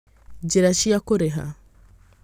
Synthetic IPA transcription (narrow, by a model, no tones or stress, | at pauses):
d͡ʒiɾaʃiakoɾɛɦa̰